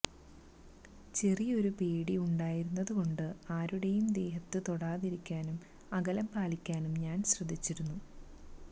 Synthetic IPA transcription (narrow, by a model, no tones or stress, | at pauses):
t͡ɕe̞rijo̞ɾupe̞ːɽiuɳɖaːjiɾunːɐðuko̞ɳɖɨaːɾuɽe̞jumd̪e̞ːɦɐt̪ːɨt̪oɽaːðiɾikʲːaːnum | ɐɡɐlɐmpaːlikʲːaːnumɲaːnɕrɐd̪ʱːit͡ɕːiɾunːu